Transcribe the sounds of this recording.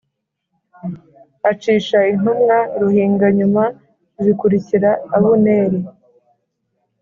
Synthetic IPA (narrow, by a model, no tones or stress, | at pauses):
at͡ʃiːʃain̥humŋaɾuhiːŋɡaɲuma | zikuɾiciɾaːβuneːɾe